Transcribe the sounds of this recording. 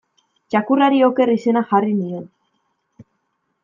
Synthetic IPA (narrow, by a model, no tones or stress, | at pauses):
t͡ʃakuraɾioke̞rise̞naxariniðe̞n